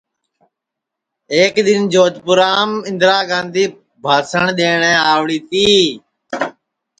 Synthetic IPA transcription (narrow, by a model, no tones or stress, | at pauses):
eːkɗ̪ɪnd͡ʒoːt̪pʊɾaːmɪ̃nd̪ɾaːɡãːnd̪ʱiː | bʱaːsəɳ̃ɗ̪eːɳɛ̃ːaːʋɽiːt̪iː